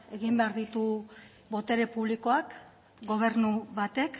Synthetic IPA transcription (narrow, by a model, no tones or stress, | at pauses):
e̞ɣimbe̞aɾðit̪u | βo̞t̪e̞ɾe̞puβliko̞ak | ɡo̞β̞e̞ɾnuβat̪e̞k